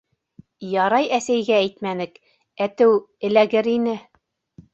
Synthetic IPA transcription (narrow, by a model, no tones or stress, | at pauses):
jɑɾɑjæsæjɡææjt̪mænɘk | æt̪ɘwɘ̆læɡɘɾinɘ